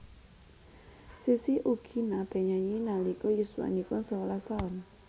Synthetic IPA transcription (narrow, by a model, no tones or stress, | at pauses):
sisiʔuɡ̥inab̥ɛ̤ɲaɲinalikɔjusuwa̰nikʊnsəwɔlast̪aɔn